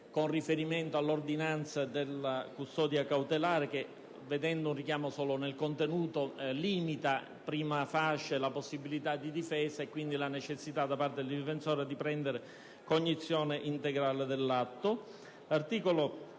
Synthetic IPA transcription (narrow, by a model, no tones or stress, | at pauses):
konrifeɾiment̪oalːord̪inant̪sad̪elːakust̪ɔːd̪jakawt̪elaːɾek̟e | ved̪ɛnd̪ounrik̟jaːmosɔːlonelkont̪enuːt̪oliːmit̪a | pɾiːmafaʃːalaposːibilit̪ad̪id̪ifɛːsaekːwind̪ilanet͡ʃesːit̪ad̪ːapart̪ed̪liɱfensɔːɾed̪ipɾɛnd̪eɾe | koɲːit̪sːjɔːneʔint̪eɡɾaːled̪elːat̪ːo | lart̪iːkolo